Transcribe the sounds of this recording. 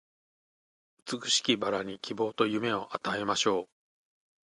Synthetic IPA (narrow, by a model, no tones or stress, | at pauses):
ɯt͡sɨkɯ̟̥ɕi̥kʲibaɾaɲ̟ikʲʰibo̞ːt̪o̞jɯ̟me̞o̞ʔat̪ae̞maɕo̞ː